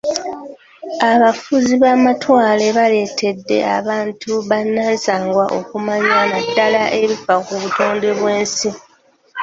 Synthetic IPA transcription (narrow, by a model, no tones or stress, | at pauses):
aβafuziβaːmatwaːle̞βale̞ːtʰe̞dːe̞̰a̰βaːntʰuβanːaːnsaːŋɡwaʔo̰kumaɲamadːalaʔe̞βifakuβuto̞ːnde̞βwe̞ːnsi